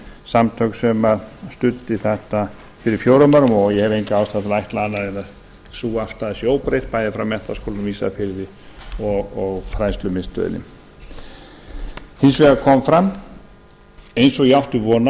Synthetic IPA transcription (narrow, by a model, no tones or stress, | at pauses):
samt̪ʰœɥksɛmaɾst̪ʏt̪ːɪθɛht̪a | fɪɾɪɾ̥fjoːwɾamœɾʏmɔɣjɛhɛvejnŋkaaːwst̪at̪lajht̪laanːaðena | suːaft̪aðsjoːwpɾejt̪̚paːjðɪfɾawmɛht̪askʰowlanmiːsa̰fɪɾðɪ | ɔɣɔɣfɾaːjst̪lʏmɪst̪œ̰ðɪ̰nːɪ̰m | hɪnsvɛːɣakʰɔmfɾam | ejnsɔɣjawht̪ɪvɔːna